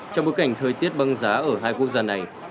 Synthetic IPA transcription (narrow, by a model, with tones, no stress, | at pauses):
t͡ɕɔ˧ŋ͡mɓo˨˦jka˧˩ŋ̟t̪ʰəː˨˩jt̪i˦˥ət̚ɓa˧ŋzaː˨˦ʔəː˧˩ɦaː˧jku˦˥ək̚zaː˧na˨˩j